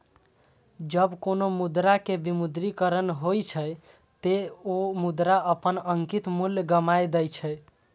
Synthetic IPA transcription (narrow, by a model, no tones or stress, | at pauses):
d͡ʒəbkonomud̪ɾakebimud̪ɾikəɾənɦojt͡ʃʰəj | t̪eomud̪ɾaəpənəŋkit̪muljɡəmajd̪əjt͡ʃʰəj